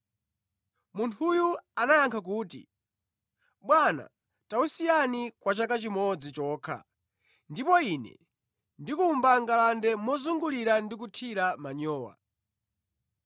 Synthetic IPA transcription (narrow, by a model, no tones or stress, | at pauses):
muntʰujuanajaŋkʰak̬uːtḭ | ɓwana̰ | tausijanikwat͡ʃakat͡ʃimɔd͡zit͡ʃɔːkʰa̰ | ndipɔinɛ̰ | ndikumbaŋɡalandɛmɔzuŋɡuliɾandik̬utʰiɾamaɲɔːwa̰